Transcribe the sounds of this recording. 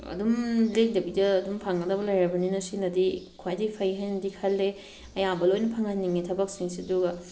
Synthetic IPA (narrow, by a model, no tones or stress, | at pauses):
ɐ̰dumlek̚dɐbidɐːdumpʰaŋɡɐdɐbɐlɐjɾɐbɐninɐsinɐdikʰwajdipʰɐjɦɐjnɐdikʰɐlːe | ɐjambɐlojnɐpʰaŋɐnːiŋetʰɐbɐk̚siŋsiduɡɐ